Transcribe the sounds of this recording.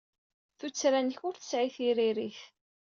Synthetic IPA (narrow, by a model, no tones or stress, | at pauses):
θut͡sːɾænçʊɾθə̥sʕiθiɾiɾiθ